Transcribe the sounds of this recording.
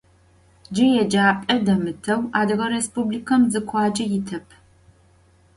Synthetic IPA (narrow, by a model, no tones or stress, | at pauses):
d͡ʒɪjɛd͡ʒaːpʼɐdɐmɨtʰɐwaːdɨɣɐɾespublikʰɐmzɨkʷʰɑːd͡ʒɐjɪtʰɐpʰ